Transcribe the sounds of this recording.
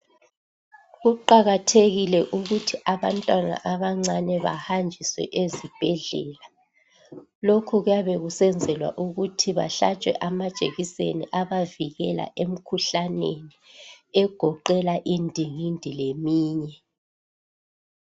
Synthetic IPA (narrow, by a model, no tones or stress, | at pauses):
ɣuǃaɣatʰeɣilɛʔuɣutʰiʔaβantʼwana̰ʔaβaŋ͡ǀanɛβa̰hand͡ʒʱiswɛ̰ʔezib̥ʱɛɮɛ̰ːla | lokʰuɣujaβɛɣusɛnd͡zʱɛlwa̰ʔuɣutʰiβa̰ɬḁt͡ʃʼwɛ̰ʔamad̥ʒ̥ʱeɣisḛniʔaβaviɣɛla̰ʔem̩kʰuɬaneniɛɡ̥ʱɔǃɛlaʔindʱiŋindʱilemiːɲɛ